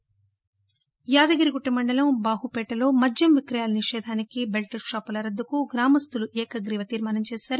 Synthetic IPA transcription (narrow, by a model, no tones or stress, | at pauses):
jaːd̪ɐɡɐɾiɡuʈːɐmɐɳɖɐlɐmbaːɦupɛːʈɐlo̞ːmɐd͡ʒjɐmʋikɾɐjaːlɐniʂɛːd̪ʱaːnikibelʈɐɾʃaːpɐlɐɾɐd̪ːukuɡɾaːmɐst̪uluʔɛːkɐɡɾiːʋɐt̪iːɾmaːnɐmt͡ʃɛːsaːɾu